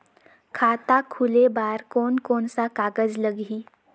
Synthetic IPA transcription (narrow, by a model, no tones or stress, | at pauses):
kʰat̪akʰulebaɾkonkonsakaɡəd͡zləɡiː